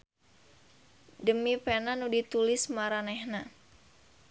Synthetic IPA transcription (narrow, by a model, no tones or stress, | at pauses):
dəmipɛnanudit̪ulɪsmaɾanɛhna